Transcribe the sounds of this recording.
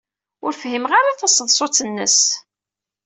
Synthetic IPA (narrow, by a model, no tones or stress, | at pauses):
ʊɾfɦimʁaɾaθæsənsˤot͡sənːə̰s